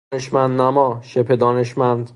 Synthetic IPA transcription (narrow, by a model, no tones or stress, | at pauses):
eʃmænd̪næmɒːʃepʰe̞d̪ɒːne̞ʃmænd̪